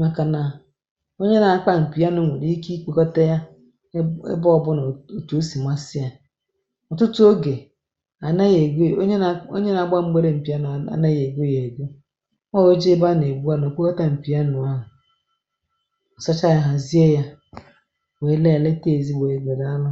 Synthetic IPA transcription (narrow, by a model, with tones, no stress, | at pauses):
ma˦ka˨na˨ | o˦ɲe˦na˨˦k͡pa˦m̩˨pi˨a˦nʊ˨˦ŋʷe˨ɾi˦i˦ki˦k͡po˨kɔ˦ta˦ja˦ | ḛ˦bɔ˦˨bʊ˦n˨o˨to˨˦si˨m˦a˦sɪ˦a˨ | ɔ˨tʊ˦tʊ˦o˦ɡe˨ | a˨na˦je˨˦ɲ˦˨o̰˦ɲe˦na˨ɡ͡ba˦ŋ͡m̩˦ɡ͡be˦ɾe˦m̩˨pi˨a˦n˨a̰˨na˦je˨ɡo˦je˨ɡu˦ | a˦wo˦d͡ʒe˦ba˦ne˨ɡ͡bu˦a˦n˨o˨k͡pʷo˦kɔ˦ta˦m̩˨pi˨a˦nʊ˨a˦ɦʊ˨ | ɔ˨sa˦t͡ʃa˦ja˦ɦa˨zi˦e˦ja˦ | we˨˦le˦a˨le˦te˦e˨zi˦ɡ͡be˨e˨ɡe˨da˦lʊ˦